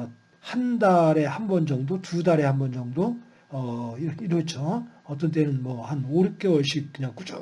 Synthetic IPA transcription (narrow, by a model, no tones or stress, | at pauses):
handaɾe̞hanbʌnd͡ʑʌŋdotudaɾe̞hanbʌnd͡ʑʌŋdo | ʌiɾʌkʰiɾot͡ɕʰoʌt͈ʌnt̬͈e̞nɯnmʌhanoɾɯk͈e̞wʌɭɕ͈ik͈ɯɲaŋk͈ud͡ʑo̰